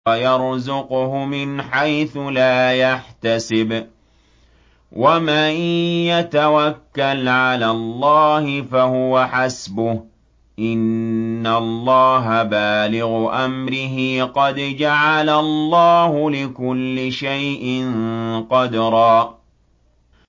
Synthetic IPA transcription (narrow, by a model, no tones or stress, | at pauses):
ajɑɾˤzʊqʊhʊmɪnħajθʊlaːjaħt̪asɪb | wʔamaːjat̪awakːalʕalaːlˤːɑːhɪfahʊwaħasbʊh | ʔɪnːalˤːɑːɦabaːlɪɣʊʔamɾɪɦɪqɑd̪d͡ʒaʕalalˤːɑːɦʊlɪkʊlːɪʃajʔɪnqɑd̪ɾˤɑː